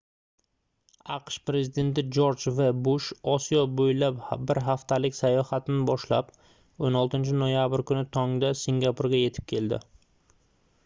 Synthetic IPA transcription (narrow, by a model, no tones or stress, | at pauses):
ɑqʃpɾe̞zɪd̪e̞nt̪ɪd͡ʒoɾd͡ʒvabʊʃɒsijɒbojlapbɪɾɦaft̪ʰalɪkʲsajɒhat̪ʰɪnɪbɒʃlap | onɒlˠt̪ɪnt͡ʃʰɪnojabɪɾkʊnɪt̪ʰɒŋd̪asiŋɡʲapʰuɾɡʲaje̞t̪ʰɪ̥p̚kʲʰe̞ld̪ɪ̰